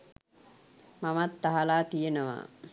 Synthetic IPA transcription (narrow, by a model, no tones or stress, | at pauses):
mamat̪ːaɦalaːt̪ijenəʋa̰ː